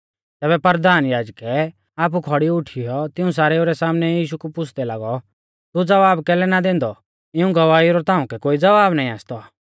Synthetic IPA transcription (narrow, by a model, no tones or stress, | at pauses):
t̪ɛːbɛpɐɾd̪aːnjaːd͡ʒkɛ | aːp̬ukʰɔɽiʊʈʰijɔt̪ɪũs̬aːɾɛoɾɛsaːmnɛjiːʃukupʊt͡sʰd̪ɛlaːɡɔ | t̪ud͡zɐʋaːbkɛːlɛnad̪ẽːnd̪ɔ | ɪũɡɐʋaːiɾɔt̪ãːũkɛkoːid͡zɐʋaːbnaːĩaːst̪ɔ